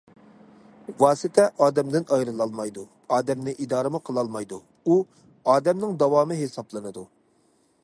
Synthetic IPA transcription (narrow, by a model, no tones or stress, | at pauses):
wɑːsɨt̪ʰɛʔɑːd̪ɛmd̪ɪnɑjɾɨlˠɑlˠmɑjd̪u | ɑːd̪ɛmnɨʔid̪ɑːɾɨmuqʰəlˠɑlˠmɑjd̪u | u | ɑːd̪ɛmnɪŋd̪ɑwɑːmɨɦesɑblˠɨnɨd̪u